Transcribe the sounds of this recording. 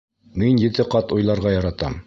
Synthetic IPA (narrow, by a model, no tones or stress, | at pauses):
minjɘ̆t̪ɘqɑt̪ujlˠɑɾʁɑjɑɾɑt̪ɑm